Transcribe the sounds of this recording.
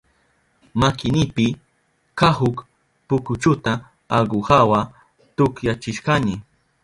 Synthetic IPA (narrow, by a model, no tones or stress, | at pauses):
makɪnɪpɪ | kahʊk | pʊkʊt͡ʃʊt̪a | aɢʊhawa | t̪ʊkjat͡ʃɪʃkanɪ